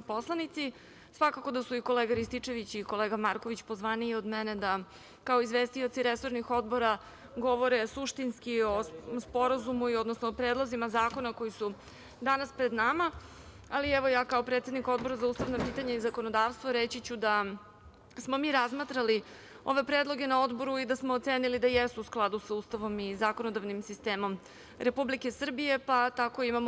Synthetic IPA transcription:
po̞slˠanit̪si | sʋakako̞d̪asuiko̞leːɡaɾist̪it͡ʂe̞ʋit͡ɕiko̞leːɡamaɾkoʋit͡ɕpo̞zʋaːniod̪mened̪a | kaoizʋeːst̪io̞t̪siɾeso̞ɾnixo̞d̪bo̞ɾa | ɡo̞ʋo̞ɾesuʃt̪inskio̞spo̞ɾazumuio̞d̪nosnoːpɾeːd̪lˠozimazaːko̞nako̞jisu | d̪anaspɾed̪nama | aliɛʋo̞jaːkaopɾet̪se̞d̪niko̞d̪̚bo̞ɾazauːst̪aʋnapiːt̪aɲaizako̞nod̪aːʋst̪ʋoɾet͡ɕit͡ɕud̪a | smo̞miːɾazmat̪ɾali | o̞̰ʋe̞pɾeːd̪lˠo̞ɡe̞nao̞d̪bo̞ɾuid̪asmoːt̪seːnilid̪ajest̪uːsklˠad̪usauːst̪aʋo̞mizaːko̞nod̪aʋnimsist̪e̞ːmo̞m | ɾe̞publike̞sr̩bije̞pat̪ako̞imamo

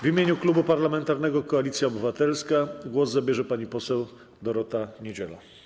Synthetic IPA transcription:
vimʲeɲuklubupaɾlamɛnt̪aɾnɛɡɔkɔalʲit̪sʲjaɔbɘvat̪ɛlskaɡwɔzzabʲjɛʐɛpaɲipɔsɛw | d̪ɔɾɔt̪aɲed͡ʑɛ̰la̰

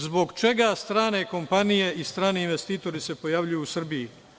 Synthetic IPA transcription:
zbo̞ɡt͡ʃe̞ɡast̪ɾaːne̞ko̞mpanije̞ist̪ɾaːneinʋe̞st̪iːt̪o̞ɾise̞po̞jaʋʎujuːusr̩biji

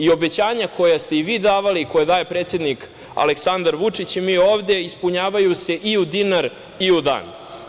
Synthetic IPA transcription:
io̞be̞t͡ɕaːɲakʰo̞jast̪e̞iʋiːd̪aːʋaliːkojed̪aːjepɾet̪sje̞d̪nik | a̰leksand̪aɾʋut͡ʂit͡ɕimiːoːvd̪e̞ispuɲaːʋajuse̞ʔiud̪inaɾ | iud̪a̰ːn

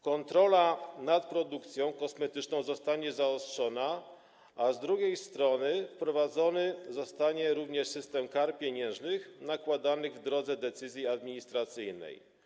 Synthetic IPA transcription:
kɔnt̪ɾɔlanat̪pɾɔd̪ukt̪sʲjɔ̃w̃kɔsmɛt̪ɘt͡ʂnɔ̃w̃zɔst̪aɲɛzaɔstʂɔna | ʔazd̪ɾuɡʲejst̪ɾɔnɘfpɾɔvad̪zɔnɘzɔst̪aɲɛɾuvɲɛʂsɘst̪ɛmkaɾpʲjeɲɛ̃w̃ʐnɘxnakwad̪anɘɣvd̪ɾɔd̪zɛd̪ɛt̪sɘzʲjiad̪mʲiɲist̪ɾat̪sɘjnɛ̰j

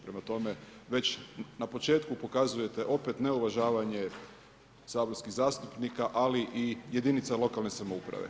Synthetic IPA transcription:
pɾe̞mat̪o̞me̞ʋe̞t͡ɕnapo̞t͡ʃe̞ːt̪kupo̞kazuje̞t̪eʔo̞pe̞t̪ne̞uʋaʒaːʋaɲe̞ | saːbo̞ɾskiɣzaːst̪upnikaʔaliʔije̞d̪init̪salo̞kalne̞samo̞upɾa̰ʋḛ

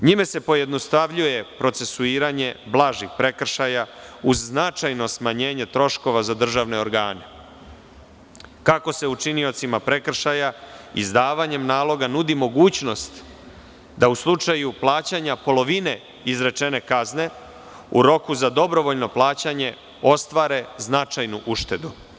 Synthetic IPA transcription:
ɲimese̞po̞jed̪no̞st̪aʋʎuje̞pɾo̞t̪se̞suiːɾaɲe̞blˠaʒixpɾe̞kr̩ʃajauzːnat͡ʃajno̞smaɲe̞ːɲe̞t̪ɾo̞ʃko̞ʋazad̪r̩ʒaʋne̞o̞ɾɡa̰ːne̞ | kako̞se̞ut͡ʃinio̞t̪simapɾe̞kr̩ʃajaḭzd̪aːʋaɲe̞mnaːlˠo̞ɡanud̪imo̞ɡuːt͡ɕno̞st̪ | d̪auslˠut͡ʂajuplˠaːt͡ɕaɲapo̞lo̞ʋine̞ | izɾe̞t͡ʃe̞ne̞kazne̞ | ṵɾo̞kuzad̪o̞bɾo̞ʋo̞ʎno̞plˠaːt͡ɕaɲe̞ | o̞st̪ʋaɾe̞znat͡ʃajnuʔuʃt̪e̞d̪u

